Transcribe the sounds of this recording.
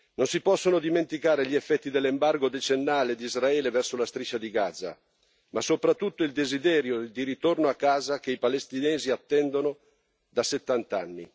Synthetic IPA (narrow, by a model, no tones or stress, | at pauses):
nonsipɔsːonod̪iment̪ikaːɾeʎiefːɛt̪ːid̪elːembarɡod̪et͡ʃenːaːled̪izraɛːlevɛrsolast̪ɾit͡ʃːad̪iɡad̪za̰ | masopɾat̪ːut̪ːoild̪ezid̪ɛːɾjod̪iɾit̪ornoakːaːzakeipalest̪inɛːziat̪ːɛnd̪ono | d̪aset̪ːant̪anːi